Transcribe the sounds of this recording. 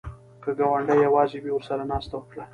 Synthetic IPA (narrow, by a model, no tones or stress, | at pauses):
kəɡawaɳɖajawɑzewiwʊɾsaɾanɑst̪awəkɽa